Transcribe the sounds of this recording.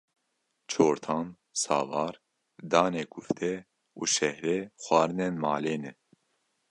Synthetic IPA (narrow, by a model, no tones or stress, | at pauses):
t͡ʃʰoːɾt̪ʰɑːn | sɑ̰ːvɑːɾ | d̪ɑːneːkʰuft̪ʰɛ | uːʃɛhɾɛːxʷɑːɾɨnenmɑ̰ːleːnɛ